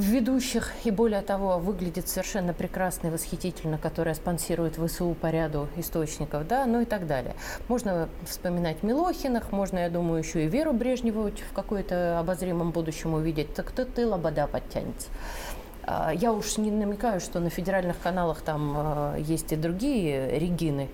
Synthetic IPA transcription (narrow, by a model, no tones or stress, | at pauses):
vvʲɪd̪uɕːɪxɪbo̞lʲɪjət̪ɐvo̞vɨɡlʲɪdʲɪt̪səvʲɪrʂɛnːəpɾʲɪkɾasnəɪvəsxʲɪtʲitʲɪlʲnəkɐt̪o̞ɾəjəspɐnsʲiɾʊjɪt̪vɨsɨupɐɾʲad̪ʊɪst̪o̞t͡ɕnʲɪkəfd̪anoɪt̪aɡd̪alʲɪ̰jə̰ | mo̞ʐnə | fspəmʲɪnatʲmʲɪlˠoxʲɪnəxmo̞ʐnəjad̪uməjʊjɪɕːoɪvʲeɾʊbɾʲe̞ʐnʲɪvətʲfkɐkojʊt̪əɐbɐzɾʲimːəmbud̪ʊɕːɪmʊvʲidʲɪt̚ʲt̪əkt̪ɨt̪ɨlˠɐbɐd̪apɐtʲːæ̰nʲɪ̰t̪sə̥ | a̰jaʊʂnʲɪnəmʲɪkajʊʂt̪o̞nəfʲɪdʲɪɾalʲnɨxkɐn̪alˠəxt̪amjesʲtʲɪd̪ɾʊɡʲijəɾʲɪɡʲinɨɪ